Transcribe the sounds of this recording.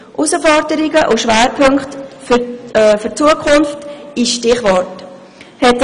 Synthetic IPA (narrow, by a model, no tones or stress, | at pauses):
ʔusəfɔɾdəɾɪɡəʔuʃʋæːɾpʰɵŋkχtffʏɾt͡suəkʰχʊnftɪʃtɪχʋɔrt | hɛt